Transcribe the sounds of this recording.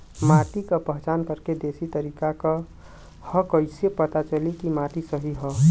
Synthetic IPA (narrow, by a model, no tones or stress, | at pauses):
maʈ̪ikəpəɦt͡ʃaːnkəɾked̪esit̪əɾikakə | həkəɪsepət̪at͡ʃəlikimaʈisəɦiɦɔ